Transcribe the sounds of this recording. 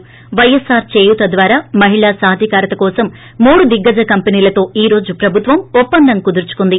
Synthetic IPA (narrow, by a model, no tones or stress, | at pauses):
ʋɐjesaːɾt͡ʃe̞ːjut̪ɐd̪ʋaːɾaːmɐɦiɭaːsaːd̪ʱjɐkaːɾɐt̪ɐkɔːsɐmː | uːɽud̪iɡːɐd͡ʒɐkɐmpɐniːlɐt̪o̞ːiːɾo̞ːd͡ʒupɾɐbʱut̪ʋɐmupːɐnd̪ɐŋkud̪uɾt͡ʃu̥kund̪i